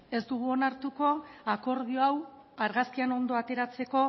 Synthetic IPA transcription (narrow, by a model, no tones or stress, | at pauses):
e̞sd̪uɣ̞uo̞naɾt̪uko̞ako̞ɾðio̞aw | aɾɣaskiano̞nd̪o̞at̪e̞ɾat͡se̞ko̞